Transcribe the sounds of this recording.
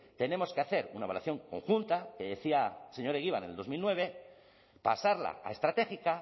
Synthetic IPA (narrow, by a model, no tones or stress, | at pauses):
t̪e̞nemo̞skeaθe̞ɾunaβala̰θjo̞ŋko̞̰ŋxunt̪ake̞ðe̞θiase̞ɲo̞ɾeɣiβ̞anḛld̪o̞zmilnwe̞β̞e̞ | pasaɾla̰a̰est̪ɾat̪e̞xika